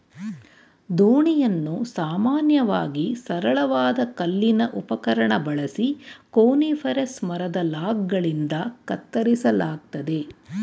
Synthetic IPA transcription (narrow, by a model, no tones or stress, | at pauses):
d̪oːɳijɐnːusaːmaːnjɐʋaːɡisɐɾɐɭɐʋaːd̪ɐkɐlːinɐʔupɐkɐɾɐɳɐbɐɭɐsikoːniːfʰɐɾesmɐɾɐd̪ɐlaːɡɡɐɭind̪ɐkɐt̪ːɐɾisɐlaːɡ̚t̪ɐd̪e̞